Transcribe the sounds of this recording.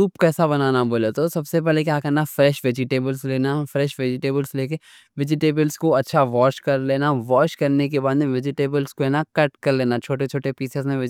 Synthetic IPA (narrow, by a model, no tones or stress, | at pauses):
uːpkɛːsabɐnaːnaboːlet̪osɐbsep̬ɛɦlekjaːkɐɾnafɾɛːʃʋed͡ʒɪʈeːbəlsleːnafɾɛːʃʋeːd͡ʒɪʈeːbəlsleːk̬e | ʋɪd͡ʒɪʈeːbəlskoɐtːʃʰaʋɔːʃkɐɾleːnaʋɔːt͡ʃkɐɾnek̬ebaːd̪ẽʋɪd͡ʒɪʈeːbəlskoeːnakɐʈkɐɾleːnat͡ʃʰoːʈet͡ʃʰoːʈepiːsezmẽʋɪ